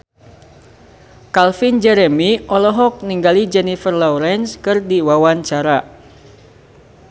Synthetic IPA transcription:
kalfind͡ʒɛɾɛmiʔɔlɔɦɔk̚niŋɡalid͡ʒɛnifərlɔuɾɛnskɨrdiwawaɲt͡ʃaɾa

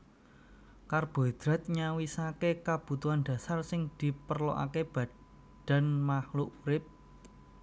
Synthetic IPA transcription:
karb̥o̤d̪̥ɾa̤t̪̚ɲawisakekab̥ṳt̪uanɖ̥ä̤sarsɪŋd̪̥i̤pərlo̰ʔa̰keb̥ä̤ | ɖ̥a̤nmahluʔuɾɪp̚

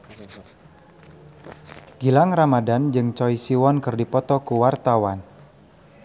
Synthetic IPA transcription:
ɡ̥ilaŋramadand͡ʒɨŋt͡ʃɔjsiwɔnkɨrdipɔt̪ɔkuwart̪awan

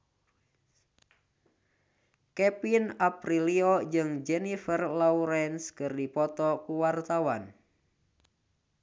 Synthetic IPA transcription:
kɛpinapɾiliɔd͡ʒɨŋd͡ʒɛnifərlauɾɛnskɨrdipɔt̪ɔkuwart̪awan

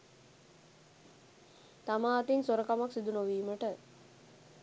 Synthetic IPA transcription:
t̪amaːt̪insoɾəkamaksid̪unoʋiːməʈə

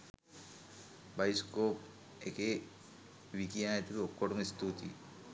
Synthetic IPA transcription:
bajskoːp | eke | ʋikijaːet̪ibiokːoʈumist̪ut̪ḭ

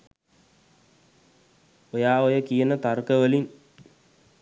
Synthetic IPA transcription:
ojaːojəkijənət̪arkəʋəlin

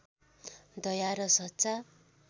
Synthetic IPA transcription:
d̪ʌjaɾʌsʌt͡sa

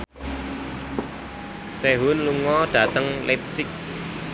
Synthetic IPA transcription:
sɛɦʊnluŋɔɖ̥a̤t̪əŋlʔep̚sɪk̚

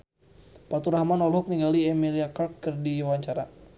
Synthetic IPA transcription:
pat̪uɾahmanɔlɦɔk̚niŋɡaliɛmiliakarkːɨrdiwaɲt͡ʃaɾa

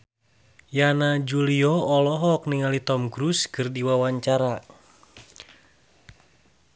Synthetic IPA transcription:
janad͡ʒuliɔɔlɔɦɔk̚niŋalit̪ɔmkɾuskɨrdiwawaɲt͡ʃaɾa

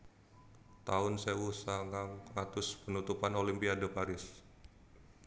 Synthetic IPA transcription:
t̪aʊnsewusaŋaŋŋat̪ʊspənut̪upanolimpiadəpaɾɪs

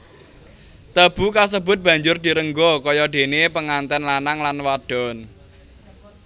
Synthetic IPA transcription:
t̪əb̥ṳkas̬əb̥ʊ̤t̪̚b̥ä̤ɲd͡ʒʊrd̪̥i̤ɾəŋɡɔkɔjɔɖ̪̥e̤nepəŋant̪ɛnlanaŋlanwaɖ̥ɔ̤n

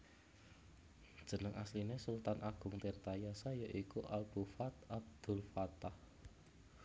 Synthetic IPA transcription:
d̥ʒ̥ə̤nəŋaslinesult̪anʔaɡ̥ʊ̤ŋt̪ert̪ajasajəʔikuʔab̥ufat̪ab̚d̪̥ʊ̤lfat̪ah

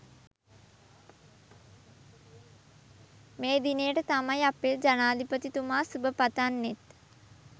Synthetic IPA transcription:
meːd̪inəjəʈət̪amajaped͡ʒanaːd̪ipət̪it̪umaːsubəpat̪anːet̪

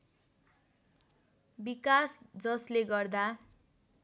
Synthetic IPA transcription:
bikasd͡zʌsleɡʌrd̪a

